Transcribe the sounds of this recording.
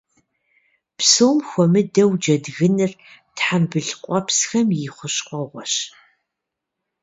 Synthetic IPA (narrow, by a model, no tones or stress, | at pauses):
psoːmxʷɔmɨdɐwd͡ʒɐdɣɨnɨrtħambɨɮqʷʼɔpsxɐmjɪχʷʊɕqʷʼɔʁʷɔɕ